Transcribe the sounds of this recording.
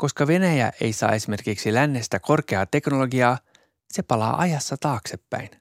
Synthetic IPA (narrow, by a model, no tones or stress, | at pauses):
ko̞skɑʋe̞næjæ̰ʔe̞̰jsɑ̰ːe̞sime̞rkiksilænːe̞st̪æko̞rke̞ɑːt̪e̞knolo̞ɡiɑː | se̞pɑlɑ̰ːʔɑjɑsːɑt̪ɑːkse̞pːæ̰jn